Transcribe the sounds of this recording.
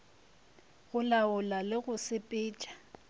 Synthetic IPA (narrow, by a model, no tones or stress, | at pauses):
ɣʊlaʊlalɪɣʊsɪpʼɪːt͡ʃʼḁ